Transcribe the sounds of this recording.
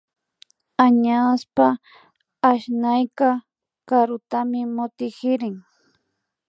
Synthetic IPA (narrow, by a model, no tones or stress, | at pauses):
aɲaspaː | ʃnajkɑ | kaɾʊt̪amɪmʊt̪ɪkɪɾɪŋ